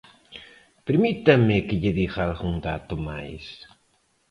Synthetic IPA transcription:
peɾmit̪amːekeʎeðiɣalɣuŋd̪at̪omajs

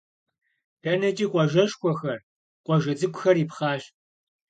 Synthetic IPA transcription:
pʰɐnɐt͡ʃʼiːqʷʼɔʒɐʃxʷɔxɐr | qʷʼɔʒɐd͡zɨkʷʼʊxɐriːpχɑːɕ

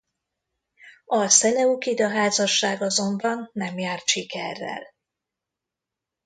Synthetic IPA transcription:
ɒsɛlɛukid̪ɒɦaːzɒʃːaːɡɒzo̞mbɒnːɛmjaːrt̪ʃikɛ̰rːɛ̰l

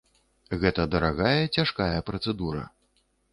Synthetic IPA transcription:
ɣɛt̪ɐd̪ɐɾaɣajɐt͡sʲaʂkajɐpɾɐt̪sɛd̪uɾɐ̰

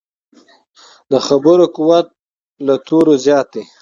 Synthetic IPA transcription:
d̪əxabəɾokuwat̪̚ | lat̪ʰoɾozjɑːt̪e

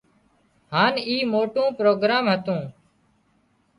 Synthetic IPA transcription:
haːniːmoːʈũːpɾoːɡɾaːmɦət̪ũː

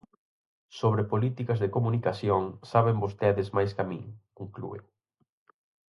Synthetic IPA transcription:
soβɾepolit̪ikɐzðɪkomunikaθjoŋsaβembost̪ɛðɪzmajskamḭ̃ŋiŋklṵḛ

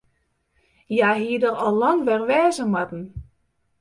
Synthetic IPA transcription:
jaːɦiədərɔlˠlːɔŋʋɛrʋɛːzəmatn̩

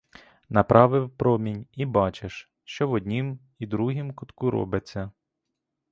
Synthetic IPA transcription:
nɐpɾʔɑʋɪwpɾɔmʲinʲibɑt͡ʃeʃ | ʃt͡ʃɔʋɔd̪ʲnʲim | id̪ɾuɦimkʊt̪kuɾɔ̰bɪt͡sʲːɐ

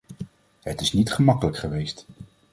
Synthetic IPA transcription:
ɦətɪsnitχəmɑkələkχəʋejst

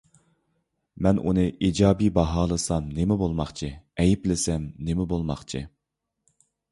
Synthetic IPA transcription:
mɛnunɨʔid͡ʒɑːbibɑɦɑːlˠɨsɑmnemɪbolˠmɑχt͡ʃʰɨɛjiplɪsɛmnemɪbolˠmɑ̰χt͡ʃʰɨ̰

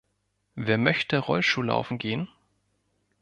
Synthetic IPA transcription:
veːɐmœçtəʁɔlʃtuːla̰ʊfn̩ɡeːən

